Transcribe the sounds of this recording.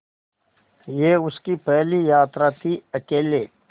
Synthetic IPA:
jeːʊskipɛɦlijaːt̪ɾat̪ʰiɐkeːleː

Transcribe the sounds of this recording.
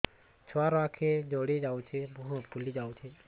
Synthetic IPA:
t͡ʃʰʋaɾoakʰed͡ʒoːɽed͡ʒaut͡ʃʰebʱuɦũpulid͡ʒaut͡ʃʰe

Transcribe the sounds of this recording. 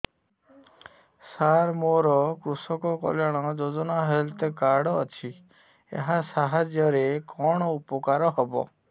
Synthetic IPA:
saɾmoɾɔkɾusɔkɔkɔ̰ljaɽ̃ɔd͡ʒod͡ʒɔnaɦelt̪ekaɾɽɔːt͡ʃʰi | ḛɦasaɦad͡ʒjɔɾekɔɽ̃ɔupɔkaɾɔɦɔbɔ̰

